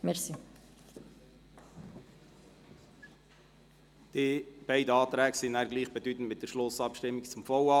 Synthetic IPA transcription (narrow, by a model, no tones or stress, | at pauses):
mɛsi | d̪̥ib̥ɛɪdəɑːt̪ɾæːɡsinæːɾɡliːχb̥ɛdyt̪n̩t̪mɪt̚d̥əʃlʊsɑpʃtɪmːikt͡sʊmfɔwɑ